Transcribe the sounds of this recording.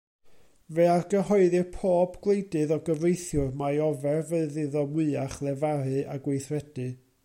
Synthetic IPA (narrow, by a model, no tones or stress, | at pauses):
vɛarɡəɦɔɨðɨrpʰoːbɡ̥lˠejdɨðɔɡəvrejθjʊrmajɔvɛrvəɨðɪðɔmwɨaχlˠɛvaɾɨʔaɡwejθrɛd̥ɨ